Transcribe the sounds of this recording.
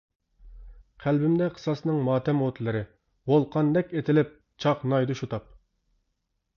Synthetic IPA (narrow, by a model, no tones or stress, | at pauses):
qʰælbɪmd̪ɛqʰə̥sɑsnɨŋmɑːt̪ʰɛmot̪ʰlɪɾɪ | wolˠqʰɑnd̪ɛkʲet̪ʰɪlɪp̚ | t͡ʃʰɑqnɑjd̪uʃut̪ɑp̚